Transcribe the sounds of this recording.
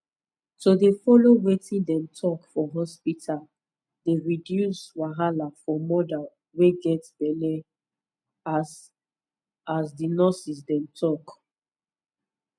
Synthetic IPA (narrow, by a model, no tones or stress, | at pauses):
todefɔlowetĩndɛ̃mtʰɔkfɔɦɔspitʰal | deɹidjuswaɦalafɔmɔdal | weɡɛtb̥ɛlɛ | azsdinɔsis̬dɛ̃mtʰɔk